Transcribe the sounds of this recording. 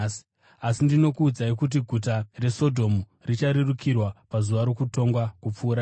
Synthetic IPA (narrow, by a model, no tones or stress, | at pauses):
asindino̞kuːd͡zaikut̬iɡʱutare̞so̞dʱo̞mu | rit͡ʃaɾerukʰirwapazuʋaɾo̞kuto̞ŋɡwakup͡fuːɾa